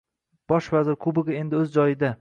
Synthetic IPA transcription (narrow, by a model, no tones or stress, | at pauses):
b̥ɒʃvazɪɾkʰʊbɪɡɪe̞nd̪ɪɵzd͡ʒɒjɪd̪a